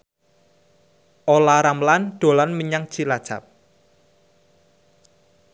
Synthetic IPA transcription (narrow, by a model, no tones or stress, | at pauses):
ʔolaɾamlanɖ̪̥o̤lanməɲaŋ̥t͡ʃilad̥t͡ʃa̰p̚